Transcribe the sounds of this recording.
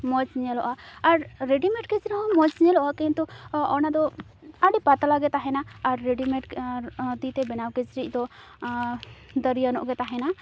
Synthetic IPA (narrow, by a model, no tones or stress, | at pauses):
mɔt͡ʃɲɛlɔʔaːɾːeɖimɛʈ̚kɛt͡ʃɾiɦɔmɔt͡ʃɲɛlɔʔakɛnt̪uɔnad̪ɔ | aɖipat̪alaɡɛt̪aɦɛnaːɾːeɖimɛʈt̪it̪ɛbɛnawkɛt͡ʃɾicˀd̪ɔ | d̪əɾijanɔʔɡɛt̪aɦɛna